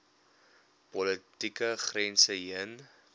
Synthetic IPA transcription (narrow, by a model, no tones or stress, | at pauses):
pɔlətikəχrɛnsəɦiən